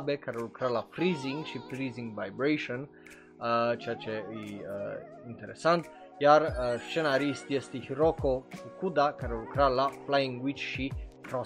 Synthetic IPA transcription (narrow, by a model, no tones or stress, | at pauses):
bekaɾelukɾalafɾiziŋɡt͡ʃifɾiziŋɡvajbɾejʃon | t͡ʃɛt͡ʃɛi | int̪eɾḛsːant̪ | jaɾʃt͡ʃenaɾist̪iɛst̪ihɾokoukud̪akaɾelukɾalaflaiŋɡwit͡ʃʃikɾɔ